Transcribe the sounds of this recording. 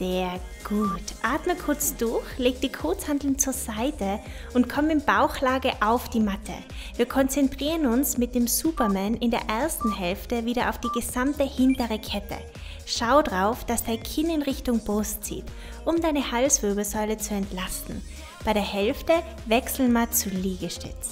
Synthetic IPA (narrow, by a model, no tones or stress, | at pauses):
z̥eːɐ | ɡ̥uːtʔaːtməkʰʊɐt͡sd̥ʊɐçleːk̚d̥iːkʰoːt͡shandl̩n̩t͡suːɐzaɪtə | ʔʊntkʰɔmənɪmb̥aʊxlaːɡəʔaʊfd̥iːmatʰə̰ | viːɐkʰɔnt͡sɛntʁ̥iːʁənʊnsmɪt̚d̥eːmzuːpɐmɛːnɪndeːɐʔɛɐstn̩hɛlftəviːɾɐʔaʊfd̥iːɡəzamtəhɪntəʁəkʰɛtʰə̰ | ʃaʊdʁaʊfd̥asd̥aɪnkʰɪnɪnʁɪçtʊŋbostt͡sḭːt | ʔʊmdaɪnəhalsv̥øɐbl̩zɔʏlət͡suɛntlastn̩ | b̥aɪɾeːɐhɛlftə | vɛksl̩nmaɐt͡suliːɡəʃtɪ̰t͡s